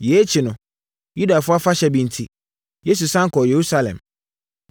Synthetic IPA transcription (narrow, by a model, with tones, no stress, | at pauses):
je˨˦t͡ɕʰi˨nʊ̃˨ | ju˦da˨fʊ˦a˦fa˦ɕɛ˨˦bĩ˨n̩˨tʰi˦ | je˦s̬u˨sã˦ŋ˦kɔ˨je˨ɾu˦sa˦lɛ̰̃˨m